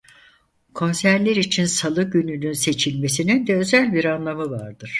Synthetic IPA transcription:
kʰo̞nsæɾlʲeɾit͡ʃʰinsalˠɯɟynynynse̞t͡ʃʰilʲme̞sinind̪ɛø̞zælʲbiɾanlˠamɯvaɾd̪ɯɾ̥

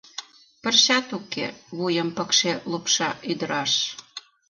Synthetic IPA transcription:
pə̆rɕɑt̪ukḛβujə̆mpə̆kʃelupʃɑʔyd̪əɾɑʃ

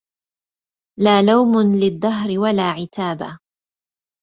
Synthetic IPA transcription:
laːlawmʊlɪðˤːɑɦɾɪwalaːʕɪt̪ʰaːba̰

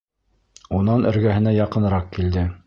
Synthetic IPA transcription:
unɑnɘ̆ɾɡæɦɘ̆næjɑqɤ̆n̆ɾɑqkild̪ɘ

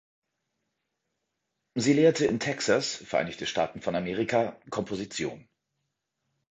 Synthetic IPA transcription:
ziːleːɐtəɪntʰɛksasfɛɐʔa̰ɪnɪçtʰəʃta̰ːtn̩fɔnameːʁikʰakʰɔmpʰozit͡sjo̰ːn

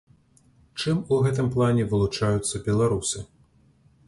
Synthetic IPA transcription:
t͡ʂɨmuɣɛt̪̬ɨmplˠanʲɛvɨlˠut͡ʂajut̪sːɐbʲɛlˠaɾusɨ

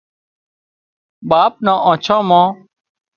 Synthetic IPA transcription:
ɓaːp̚nãːʔãːt͡ʃʰãːmãː

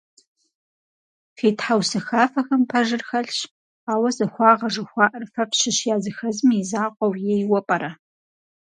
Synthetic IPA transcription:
qiːtħawsɐxaːfɐxɐmpʰɐʒɨrxɐɬɕ | aːwɐzɐxʷɑːʁɐʐɨxʷɑːʔɐrfɐpɕɪɕjaːzɨxɐzmiizaːqʷʼɔwjejwɔpʼɐɾɐ

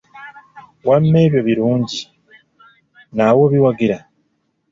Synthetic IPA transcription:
wamːe̞ːβjo̞βiɾuːɲɟi | nawo̞βiwaɡiɾa

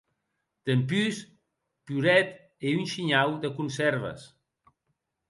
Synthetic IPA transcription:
d̪̥əmpys | puɾɛt̪ | eynʃiɲawd̪əkunsɛɾβ̞ə̰s

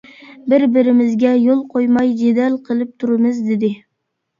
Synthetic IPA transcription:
bɪɾbɪɾɪmɪzɡʲɛjolˠqʰojmɑjd͡ʒed̪ɛlqʰəlˠɨp̚t̪ʰuɾɨmɨzd̪ɪd̪ɪ

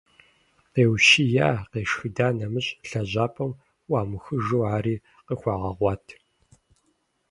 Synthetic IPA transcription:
qeːwʃijaːqeːʂxɨdaːnɐmɨɕʼɬɐʑaːpʼɐm | wɑːmɨxɨʒoːaːɾiː | qəxʷɑːʁɐʁʷɑːtʰ

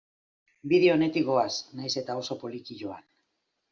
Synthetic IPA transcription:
biðeone̞t̪iɣo̞asnajse̞t̪aoso̞po̞likiʎo̞an

